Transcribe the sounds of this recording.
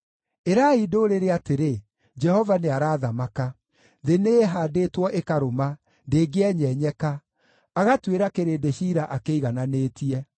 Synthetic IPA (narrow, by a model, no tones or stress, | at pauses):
eɾaidoːɾeɾeateɾe | d͡ʒɛhɔvaneaɾaːðamaka | ðeneɦaːdeːtwɔʔekaɾoma | ndeːɡeɛɲɛɲɛka | aɣatweɾakeɾeːdeɕiɾaʔakeiɣananeːtiɛ